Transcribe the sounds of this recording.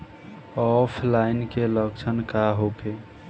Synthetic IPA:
ɔpʰlainkeləɡt͡ʃʰənkaɦoke

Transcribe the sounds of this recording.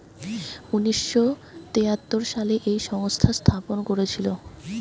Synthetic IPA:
uniʃːot̪eat̪ːoɾʃaleʔejʃɔŋst̪ʰast̪ʰaponkoɾet͡ɕʰilo

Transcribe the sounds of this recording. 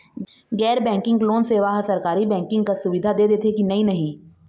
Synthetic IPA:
ɡɛːɾbɛ̃ːŋkɪ̃ŋɡloːnseːʋaːɦsɐɾkaːɾibɛ̃ːŋkɪ̃ŋɡ̚kasʊʋɪd̪ʱad̪eːd̪eːt̪ʰekinɐɦĩnɐɦĩː

